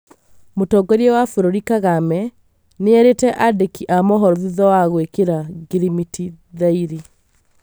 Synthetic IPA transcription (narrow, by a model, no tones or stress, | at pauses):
motɔɡɔɾiɛwafuɾoɾikaɣamɛ | neɛɾetɛʔadekiʔamɔɦɔɾɔðiðɔwaɣwekeɾaɡiɾimiti | ðaiɾi